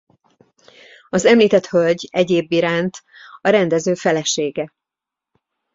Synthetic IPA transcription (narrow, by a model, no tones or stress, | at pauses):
ɒzɛmliːt̪ɛt̪hølɟɛɟeːbːiɾaːnt̪ | ɒɾɛnd̪ɛzøːfɛlɛʃeːɡɛ